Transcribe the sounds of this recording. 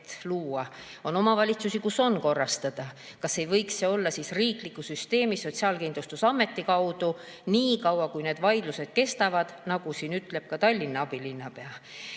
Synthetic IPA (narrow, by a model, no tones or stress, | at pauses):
t̪luːɑ | o̞no̞mɑvɑlʲit̪susikuso̞nko̞rːɑst̪ɑd̪̥ɑ | kɑsːe̞jvɤ̞jksːeo̞lːɑsisriːklikːˑusyst̪e̞ːmiso̞t̪ʲsiɑːlkind̪lust̪usɑmːe̞t̪ːikɑwd̪̥u | niːkɑwɑkujne̞ːd̪̥vɑjd̪luse̞d̪̥ke̞st̪ɑvɑd̪̥nɑɡ̥usiːnyt̪ˑle̞b̥̚kɑt̪ɑlʲːinːɑɑb̥ilinːɑpe̞ɑ